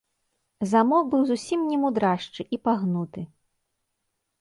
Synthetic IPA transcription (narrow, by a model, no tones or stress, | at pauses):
zamɔkbɨwzusʲimnʲɛmud̪ɾaʂt͡ʂɨʔipaɣnut̪ɨ